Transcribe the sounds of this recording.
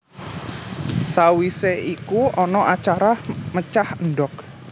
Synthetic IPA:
sawiseikuɔnɔʔat͡ʃaɾamət͡ʃahənɖɔk̚

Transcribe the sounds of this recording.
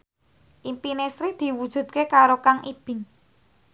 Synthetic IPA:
ʔimpinesɾid̪̥i̤wud̥ʒ̥ṳd̪̥̚kekaɾokaŋʔib̥ɪ̤ŋ

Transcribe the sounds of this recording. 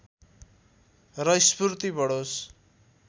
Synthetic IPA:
rʌjspurt̪ibʌɽos

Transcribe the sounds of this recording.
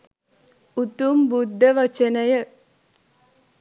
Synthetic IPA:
ut̪umbud̪ʱːɐʋɐt͡ʃɐnɐjɐ

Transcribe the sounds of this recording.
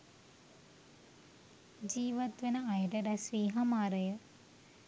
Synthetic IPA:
d͡ʒiːʋɐt̪ʋɐnɐɐjɐɾɐɾɐsʋiːɦɐmaːɾɐjə

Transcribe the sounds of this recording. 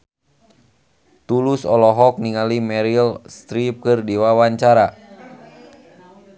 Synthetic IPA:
t̪ulusɔlɔɦɔk̚niŋalimɛɾilst̪ɾip̚kɨrdiwawaɲt͡ʃaɾa

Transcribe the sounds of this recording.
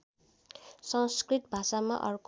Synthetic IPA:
sʌŋskrit̪̚bʱasama̰ʔʌ̰rk

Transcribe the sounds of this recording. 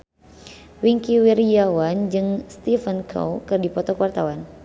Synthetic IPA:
wiŋkiwiɾijawand͡ʒɨŋst̪ifənkʰɔ̰wkɨrdipɔt̪ɔkəwart̪awan

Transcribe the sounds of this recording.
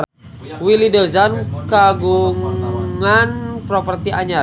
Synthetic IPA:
wilidɔzankaɡuŋanpɾɔpərt̪iʔaɲa

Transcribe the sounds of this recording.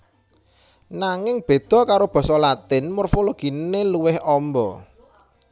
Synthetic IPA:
naŋɪŋb̥e̤d̪̥ɔ̤kaɾob̥ɔ̤sɔlat̪ɪnmorfoloɡ̥i̤nneluwɪhɔmbɔ

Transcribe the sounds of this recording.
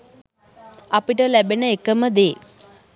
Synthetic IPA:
apiʈəlæbenəekəməd̪eː

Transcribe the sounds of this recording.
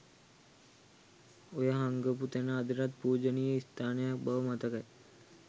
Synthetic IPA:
ojaɦaŋɡəput̪enaːd̪iɾat̪̚puːd͡ʒənijəist̪ʰaːnejak̚bəʋəmat̪əkaj

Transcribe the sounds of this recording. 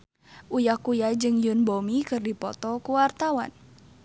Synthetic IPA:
ʔujakujad͡ʒɨŋjunbomikɨrdipɔt̪ɔkuwart̪awa̰n

